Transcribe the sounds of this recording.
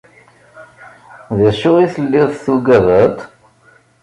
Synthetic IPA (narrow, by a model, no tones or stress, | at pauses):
ðæʃʊʁiθəlːɪðˤθuɡæðət̪ˤ